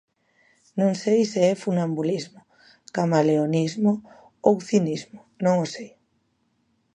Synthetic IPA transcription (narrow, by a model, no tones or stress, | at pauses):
nõŋsejsɪɛfunambulizmo | kamaleonizmo | owθinizmo | nõŋosej